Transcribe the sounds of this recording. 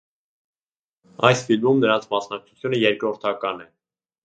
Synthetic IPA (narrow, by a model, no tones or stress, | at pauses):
ɑjsfilmumnəɾɑnt͡sʰmɑsnɑk̚t͡sʰu̥t͡s̪ʰjunəjɛɾkɾɔɾt̪ʰɑkɑnɛ